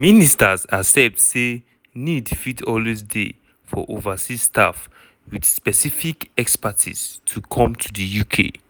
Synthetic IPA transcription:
ministazasɛp̚se | nidfitʰɔlwis̬dḛ | fɔ̰ʔovasistʰa̰f | wid̥spɛsifikɛkspatʰḭstʰukʰɔ̃mtʰudəjukʰḛ

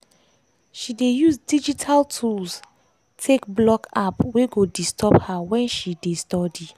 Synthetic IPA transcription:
ʃidejuzdid͡ʒitʰaltʰuls | tʰekblɔkapweɡodistʰɔphawɛ̃nʃidestɔdi

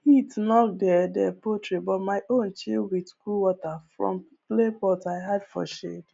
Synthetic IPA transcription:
hitnɔtdɛdɛpotɹebɔtmaɪʔõnt͡ʃilwitkuwɔtafɹɔ̰̃m | plepɔtaɪɦadfɔ̰ʃḛd

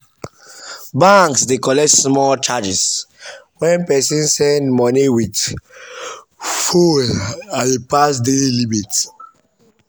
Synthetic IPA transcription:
bãŋksdekɔlɛtsmɔlt͡ʃad͡ʒis | wɛ̃npɛsĩnsɛ̃ndmɔniwit | folaepasdellimit

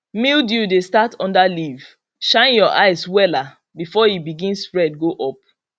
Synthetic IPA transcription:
mildjudestatɔ̃ndaliv̥ | ʃãɪ̃njɔʔaɪswɛla | bifɔjibiɡĩnspɹɛd̚ɡoʔɔp̚

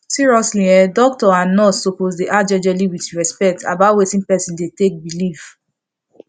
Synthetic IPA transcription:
siɹiɔsliɛdɔk̚tɔanɔsopozdeʔad͡ʒɛd͡ʒɛliwitɹɛspɛk̚tʰa̰batwetĩnpɛsĩndetek̚bilif

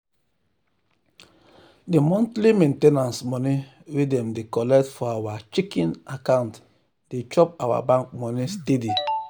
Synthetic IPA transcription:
demɔ̃ntlimẽntenãnsmɔni | wedɛ̃mdekɔlɛk̚tfɔawat͡ʃikĩnakãnt | d̥et͡ʃɔpawa̰bãŋk̚mɔnistedi

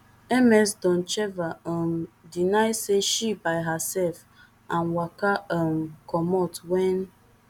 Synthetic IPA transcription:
emɛsdɔ̃n̩t͡ʃɛvaɔm̩dinaɪseʃibaɪɦasɛlf | anwakam̩kɔmɔtwɛn

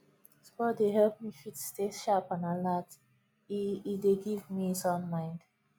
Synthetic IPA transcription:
spɔdeɦɛlp̚mifitsteʃapɔ̃nalat | ideɡivmisɔ̃nmãɪ̃nd̥

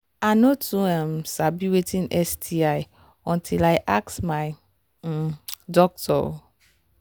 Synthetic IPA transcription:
anotuɛ̃msabiwetĩnɛstʰiaj | ɔ̃ntʰilajʔak̚smaj | dɔk̚tʰɔ̰

